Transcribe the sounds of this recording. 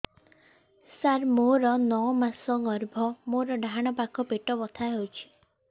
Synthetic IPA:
saɾmoɾɔnɔmasɔɡɔɾbʱɔmoɾɔɖʱaɽ̃ɔpakʰɔpeʈɔbɔt̪ʰaeɦowt͡ʃʰi̥

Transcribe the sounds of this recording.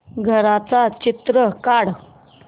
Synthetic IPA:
ɡʱəɾat͡sat͡ɕit̪ɾəkaɽ

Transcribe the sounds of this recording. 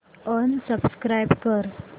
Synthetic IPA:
ɔnsəbskɾajbkəɾ

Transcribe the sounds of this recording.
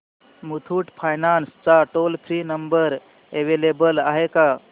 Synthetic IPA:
mut̪ʰuːʈpʰajnanst͡saʈolpʰɾinəmbəɾ | eʋelebəlaɦeka

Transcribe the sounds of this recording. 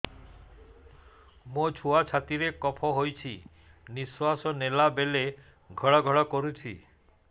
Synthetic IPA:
mot͡ʃʰuat͡ʃʰat̪iɾekɔpʰɔɦojt͡ʃʰi | niswasɔnelabele | ɡʱɔɭɔɡʱɔɭɔkɔɾut͡ʃʰḭ

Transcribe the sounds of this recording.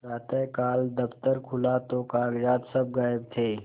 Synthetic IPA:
ɾaːt̪ẽkaːld̪əft̪əɾkʰʊlat̪okaːɡd͡ʒaːd̪səb̚ɡaːəb̚t̪ʰeː

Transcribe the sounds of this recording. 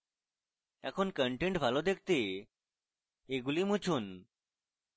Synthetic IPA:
ɛkʰonkəɳʈeɳʈbʱalod̪ek̚ʰt̪e | eɡulimut͡ɕʰun

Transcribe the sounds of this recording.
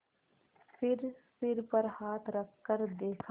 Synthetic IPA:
fɪɾsɪɾpəɾhaːt̪ʰɾəkʰːəɾd̪eːkʰ

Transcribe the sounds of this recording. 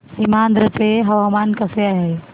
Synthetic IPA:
simaːnd̪ɾət͡ʃeɦɐʋamaːnkɐseaɦe

